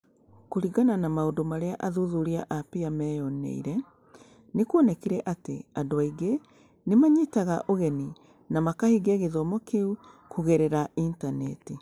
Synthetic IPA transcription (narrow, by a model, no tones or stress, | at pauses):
koɾiɡananamaodomaɾeaʔaðuðuɾiaʔapiamɛjɔnḛḭɾɛ | nekwɔnɛkiɾɛʔatḛadoaiɡe | nemaɲitaɣaʔoɣɛni | namakahiɡeɣeðɔmɔkeu | kuɣeɾɛɾaintanɛ̰ti